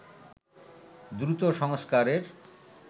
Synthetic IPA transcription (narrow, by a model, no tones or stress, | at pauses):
d̪ɾut̪oʃɔŋskaɾeɾ